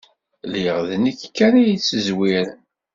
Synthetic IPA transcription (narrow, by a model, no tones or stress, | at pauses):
liʁðnəkːkːaɾajit͡sːəzwiɾ